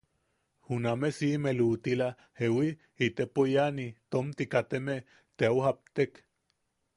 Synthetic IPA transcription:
hunamesimelut̪ila | hewi | it̪epojanit̪omt̪ikat̪eme | t̪eauhap̚t̪ek

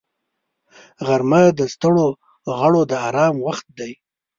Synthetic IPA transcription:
ɣaɾmad̪əst̪əɽo | ɣaɽod̪əaɾɑmwaxt̪̚d̪aj

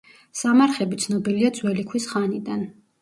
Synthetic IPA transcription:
samaɾχɛbit̪sʰnɔbiliad̪zwɛlikʰwisχanid̪an

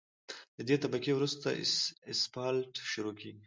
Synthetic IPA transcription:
d̪əd̪et̪abakewɾust̪a̰ɪspɑlʈʃʊɾokʰeɡi

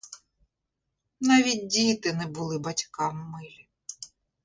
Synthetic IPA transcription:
nɑʋʲit̚ʲdʲit̪ɪnɛbʊlˠɪbɐtʲkɑmːɪlʲi

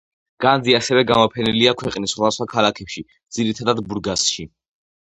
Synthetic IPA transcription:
ɡ̥and̪ziasɛvɛɡamɔpʰɛniliakʰwɛqʼnisːχwad̪asχwakʰalakʰɛpʃi | d̪z̥iɾit̪ʰad̪ad̪buɾɡasʃi

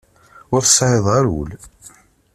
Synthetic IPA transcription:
wæθə̥sˤʕɪðˤaɾṵl

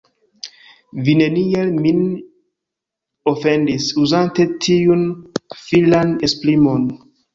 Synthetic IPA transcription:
vine̞nielmin | o̞fe̞ndisuzante̞tʰiunfilanesplimo̞n

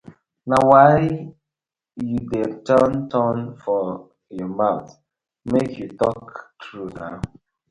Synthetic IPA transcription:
nawaɪ | judetəntʰɔnfɔ | jɔmat | mekʰjutɔktɹuna̰

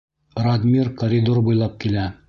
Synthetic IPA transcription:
rɐd̪mʲirkɐɾʲid̪oɾbujlˠɑp̚kilæ

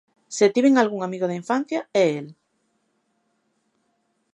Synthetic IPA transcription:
set̪iβeŋalɣuŋamiɣoðeiɱfan̟θjaɛel

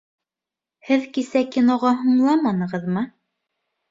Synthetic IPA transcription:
hɘðkisækinoʁɑɦŭɴlˠɑmɑnɤ̆ʁɤðmɤ

